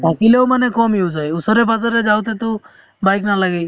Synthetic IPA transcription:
bakilewmanekɔmiwd͡ʒajusɔɾebad͡ʒaɾed͡ʒawt̪et̪ɔ | bajknalaɡej

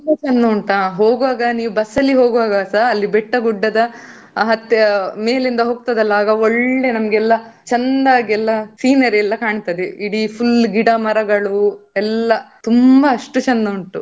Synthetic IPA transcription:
t̪umbɐt͡ʃɐnd̪ɐuɳʈaːɦo̞ːɡʋaːɡɐniːʋubɐsɐlːiɦoːɡʋaːɡɐsaːɐlːibɛʈːɐɡuɖːɐd̪ɐ | ɦɐt̪ːjɐme̞ːlind̪ɐɦoːɡ̚t̪ɐd̪ɐlːɐaːɡɐoɭɖenɐmɐɡɛlːɐt͡ʃɐnd̪aːɡɛlːɐsiːnɐɾɛlːɐkaːɳit̪ɐd̪eiɽipʰulɡiɽɐmɐɾɐɡɐɭuɛlːɐt̪umbɐːʂʈut͡ʃɐnd̪ɐuɳʈu

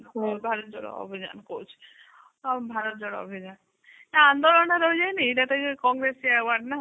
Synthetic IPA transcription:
kulbʱaɾɔt̪̚d͡ʒɔɽa̰o̰bʱid͡ʒa̰nkot͡ʃʰ | bʱaɾɔt̪̚d͡ʒɔɽao̰bʱid͡ʒan | naand̪olɔnaɾojd͡ʒajnieʈat̪akɔŋɡɾesiɛwaɾɖna

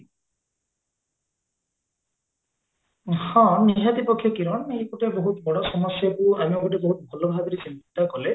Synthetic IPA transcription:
hɔ̃niɦad̪ipɔkʰːjɔkiɾɔnekuʈeboɦut̪bɔɽɔsɔmɔsjakuamiokɔʈebɔɦut̪̚bʱɔlɔbʱabɔɾisint̪it̪akɔle

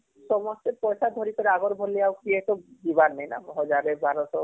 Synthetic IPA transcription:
ʃɔmost̪epɔjʃad̪ʱoɾipeɾaɡoɾbʱolːiawkiet̪od͡ʒibaɾnejna̰ɦɔd͡ʒaɾebaɾosɔ

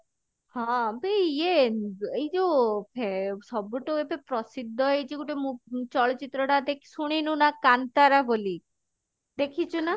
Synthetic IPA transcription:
hɔ̃beeejd͡ʒopʰesɔbuʈoepepɾɔsid̪ʱːɔejt͡ʃikuʈemũt͡ʃɔɭɔt͡ʃit̪ɾɔɽad̪ekʰsuɽ̃inũnakant̪aɾaboli | d̪ekʰit͡ʃʰuna

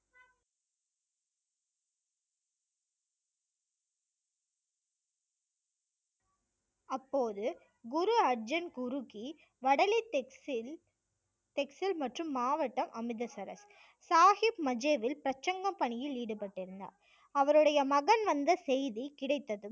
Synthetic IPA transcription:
ɐpːoːðɯ | ɡʊɾuɐɾd͡ʒɐnɡʊɾuki | ʋɐɽɐlit̪ | t̪ɛksɪlmɐʈrɯmːaːʋɐʈːɐmʔɐmɪðɐsɐɾɐ̰s | saːhɪpmɐd͡ʒeːʋɪlpɾɐt͡ʃːɐŋɡɐmpɐɳɪjɪliːɽɯpɐʈːɪɾɯnd̪a̰ːɾ | ɐʋɐɾɯɽɐjɐmɐɣɐnʋɐnd̪ɐsɛjðikɪɽɐɪt̪ːɐðɯ

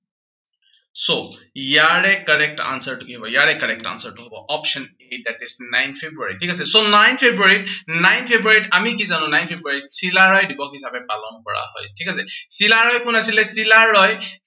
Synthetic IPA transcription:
sojaɹɛkɔɹɛk̚ʈa̰nsəɹtukiɦɔbɔjaɹɛkɔɹɛk̚ʈa̰nsəɹtuɦɔbɔʔɔpʃɔnedatisnajnpʰebɹuaɹitʰikas̬ɛsonajnpʰebɹaɹitnajntpʰebɹuaɹiʈamikizanũnajnpʰebɹuaɹitsilaɹɔjdibɔkɦisabɛpalɔnkɔɹa̰ɦɔ̰jtʰikasɛsilaɹɔjkʊnasilɛsilaɹɔj

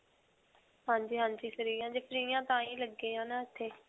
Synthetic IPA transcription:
ɦãːɲd͡ʒiːɦãːɲd͡ʒiːsəɾiːjãːd͡ʒɪfɾiːjãːt̪ãːiːləɡːẽːɦãːnaːɪt̪ʰːeː

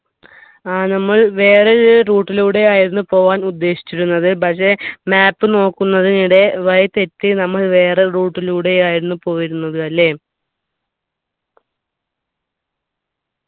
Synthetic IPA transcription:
aːnɐmːɐɭʋe̞ːreruːʈːiluːɽe̞jaːjiɾunːupo̞ːʋaːnud̪ːe̞ːɕi̥t͡ɕːuɾunːɐðɨpɐkʂe̞maːpːɨno̞ːkːunːɐðiniɽe̞ʋɐjɐt̪e̞tːɨnɐmːɐɭʋe̞ːreruːʈːiluːɽe̞jaːjiɾunːupo̞ːjiɾunːɐðɨɐlːe̞

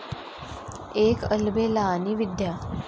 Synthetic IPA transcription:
ekəlbelaːniʋid̪ja

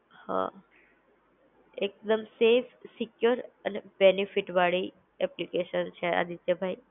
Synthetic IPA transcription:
hã̰ | ek̚d̪əmsefsikjuɾənebenifiʈʋaɭi | ɛplikeʃənt͡ɕʰea̰d̪it̪əbʱai

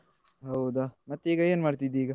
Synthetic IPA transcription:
ɦɐwd̪amɐt̪ːeiːɡɐeːnmaːɽt̪id̪iːɡɐ

